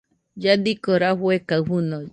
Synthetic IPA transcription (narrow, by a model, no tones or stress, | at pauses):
jad̪ikoɾaɸwekaɸuno